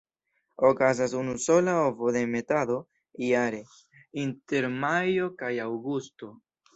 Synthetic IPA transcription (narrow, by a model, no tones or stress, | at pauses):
o̞kazasunuso̞laovo̞de̞me̞tado̞ | iaɾe̞ | inte̞ɾmajo̞kajawɡusto̞